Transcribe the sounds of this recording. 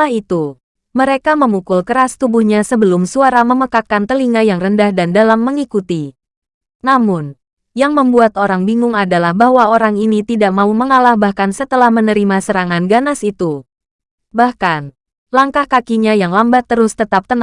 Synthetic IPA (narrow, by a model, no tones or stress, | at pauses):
ahit̪u | məɾekaməmukʊlkəɾast̪ubuhɲasəbəlʊmsuaɾaməməkakant̪əliŋajaŋrəndahdandalamːəŋikut̪i | namʊn | jaŋməmbuat̪oɾaŋbiŋʊŋadalahbaɦwaoɾaŋinit̪idaʔmauməŋalahbahkansət̪əlahmənəɾimasəɾaŋanɡanasit̪u | bahkan | laŋkahkakiɲajaŋlambat̪ːəɾʊst̪ət̪ap̚t̪ən